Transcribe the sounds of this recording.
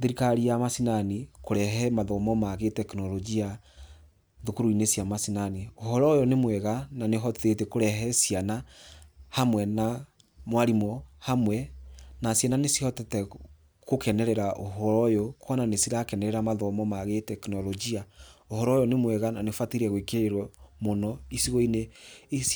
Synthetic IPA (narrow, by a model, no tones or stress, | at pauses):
ðeɾikaɾijamasinanikoɾɛɦɛmaðɔmɔmaɣetɛkinɔlɔɡia | ðokoɾuinesjamasinanioɦɔɾɔjɔnemwɛɣananeɦɔtetɛkoɾɛɦɛsiana | hamwɛna | mwaɾimɔhamwɛnasjananesihɔtɛtɛ | kokɛnɛɾɛɾaʔoɦɔɾɔjɔkwananesiɾakɛnɛɾɛɾamaðɔmɔmaɣetɛkinɔlɔɡiaohɔɾɔjɔnemwɛɣananefatiɾɛɣwekeeɾwɔmonɔisiɣɔineːs